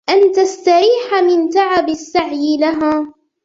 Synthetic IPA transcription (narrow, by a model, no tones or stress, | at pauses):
ʔant̪ast̪aɾiːħamɪnt̪aʕabɪsːaʕjɪlaɦaː